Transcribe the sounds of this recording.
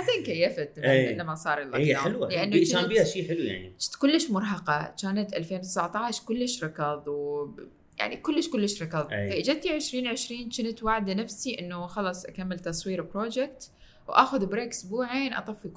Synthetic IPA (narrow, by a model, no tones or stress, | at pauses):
ʕaseːnkajːafat̪lːamːasˤɑːɾˤɪlʔɑ̰ɑħɪlwalɪʔanːt͡ʃaːbiːaʃiːħɪluja̰ʕnḭt͡ʃt̪kʊlːɪʃmʊɾˤɦɑqɑt͡ʃaːnat̪ʔalfeːnwt̪ɪsaʕt̪ˤɑːʃkʊlːɪʃɾˤɑkɑðˤw | ja̰ʕnikʊlːɪʃkʊlːɪʃɾˤɑkɑðˤfaʔɪd͡ʒat̪iʕɪʃɾiːnʕɪʃɾiːnt͡ʃɪnat̪waʕd̪anafsiʔɪnːuxɑlɑsˤʔakamːɪlt̪ɑsˤwiːɾɪpɾoːd͡ʒɪk̚t̪ | wʔa̰ːxʊðbɾeːkʊsbuːʕeːnʔɑ̰t̪ˤɑfːik